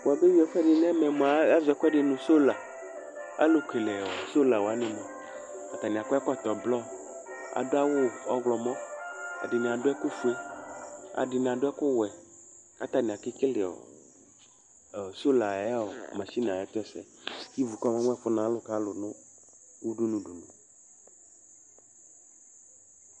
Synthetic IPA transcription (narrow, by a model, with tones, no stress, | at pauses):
o˨a˨be˦wi˦ɛ˨ɸɛ˦ɖɪ˨n˦ɛ˦mɛ̃˨mõ˨a˨˦a˦zɛ˦kɛ˦ɖɪ˨nũ˨so˦la˨ | a̰˦lo˦ke˨lɛ˨o˨so˦la˨wo˨a˦nẽ˦mɔ̃˨ | a˨t̪a˨nĩ˨a˨kɔ˦ɛ˦kɔ˦t̪ɔ˨blɔ˦ | a̰˨dʊ˦a˦wʊ˦ɔ˦ɡlɔ˨mɔ̃˦a̰˨dɪ˨nĩ˨a˨ɖʊ˦ɛ˦ku˦fu˦e˦ | a̰˨ɖɪ˨ñ˨a˨ɖʊ˦ɛ˦kʊ˦wɛ˨ | a̰˦t̪a˨nĩ˨a˨ki˦ke˦lɪ˨ɔ̰˨ | so˦la˨ɛ˦o˨mã˨si˦n˨ã˨ɛ˦t̪ɛ˦sɛ˦ | ki˦vu˨kɔ˦mã˦ŋ˦ɛ˦ɸʊ˦nã˨˦lʊ˦ka˦lʊ˨nʊ̃˦ | wu˦ɖu˦nũ˨ɖu˨nũ˨